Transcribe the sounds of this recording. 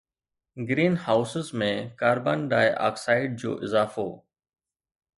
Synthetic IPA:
ɡɾiːnhaːʊsɪzmẽkaːɾbaːnɖaːjʔa̰ːksaːɪɖ̚d͡ʑo̰ːʔɪzaːfoː

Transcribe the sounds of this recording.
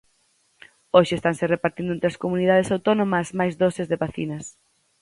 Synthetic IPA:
oʃɪest̪aŋserepaɾt̪ĩnd̪ʊent̪ɾɐskomunið̞að̞esawt̪onomɐzmajzðosɪzðeβaθinɐs

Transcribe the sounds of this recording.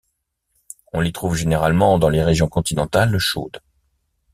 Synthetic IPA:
ɔ̃lit̪χuvʒeneʁalmɑ̃d̪ɑ̃leʁeʒjɔ̃kɔ̃t̪inɑ̃t̪alːəʃo̰d̪

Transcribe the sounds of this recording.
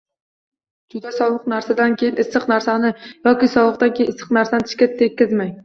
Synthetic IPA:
d͡ʒʊd̪asɒwˠɨqnaɾsad̪ankʲʰe̞jɪnɪsːɨqnaɾsanɪjɒkʲɪsɒwˠɨq̚t̪ankʲʰeɪnɪsɨ̥qnaɾsanɪt̪ʰɪ̥ʃkʲat̪ʰːekʲːɪzmaj

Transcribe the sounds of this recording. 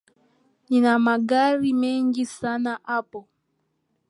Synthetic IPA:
ninamaɡaɾimɛŋɡisanaʔapɔ

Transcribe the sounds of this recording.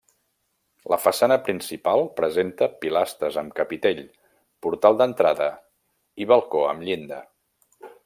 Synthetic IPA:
ləfəsanəpɾinsipalˠpɾəzent̪əpilast̪ɾəzəmkəpit̪eʎ | puɾt̪alˠd̪ənt̪ɾaðə | iβəlˠkoə̰mʎind̪ə

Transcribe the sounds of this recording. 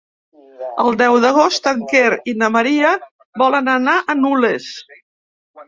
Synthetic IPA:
əlˠd̪ɛwðəɣ̞ost̪əŋkeɾinəməɾiə | bɔlənənaʔənules

